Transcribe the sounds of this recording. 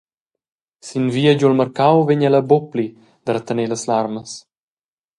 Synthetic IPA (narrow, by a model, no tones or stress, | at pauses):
sinviːəd͡ʒolmərkawveɲɛləbopli | d̪̥əɾət̪əneləslarməs